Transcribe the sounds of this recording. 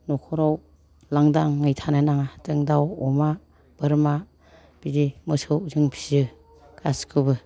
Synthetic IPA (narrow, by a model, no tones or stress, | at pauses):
nɔkʰɔɾaw | laŋdaŋŋɯjtʰananaŋatɯŋdawɔma | b̥ɯɾma | b̥idimɯsɯwzɯŋpʰizɯ | kʰaskʰɯbɯ